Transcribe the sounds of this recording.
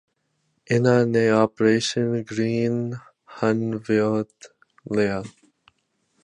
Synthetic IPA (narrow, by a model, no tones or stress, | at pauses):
ɪnaːneːɔːpəɾeːʃə̃nɡɾĩːn | hʌnʋɪoːt̪ | lea